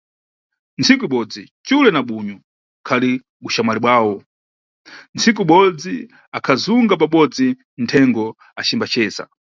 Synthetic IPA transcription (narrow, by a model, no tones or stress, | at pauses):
nt͡sʰikuiɓɔd͡zit͡ʃulɛnaɓuɲu | kʰali | ɓuʃamaliɓwaːwɔ | nt͡sik̬uiɓɔd͡zi | akʰazuŋɡap̬aɓɔd͡zi | ntʰɛŋɡɔ | at͡ʃimbat͡ʃɛːsa̰